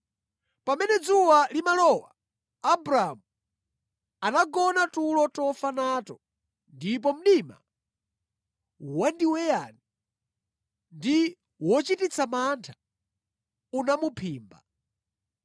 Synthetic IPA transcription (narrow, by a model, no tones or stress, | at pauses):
pamɛnɛd͡zuwalimalɔwaː | bɾaːmu | anaɡɔnatulɔtɔfanatɔ | ndip̬ɔm̩ɗima̰ | wandiwɛjani | ndi | wɔt͡ʃitit͡sʰamantʰḁ | unamupʰiːmba̰